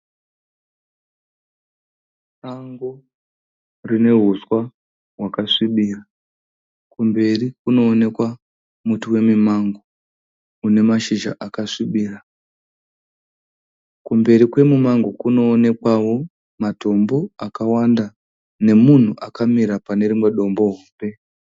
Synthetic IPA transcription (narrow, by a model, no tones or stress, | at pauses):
raŋɡo | rine̞ɦuswa | ɦwakaʂiɓiːra | kumbe̞rikuno̞ːne̞kwa | mutuwe̞mimaŋɡo | une̞maʃiʒa̰ʔakaʂiɓiːra | kumbe̞ɾikwe̞mumaŋɡokuno̞ːne̞kwawo̞ | mato̞mbo̞akawanda | ne̞mun̤uʔakamiɾapane̞rimwe̞ɗo̞mbo̞ɦoːmbe̞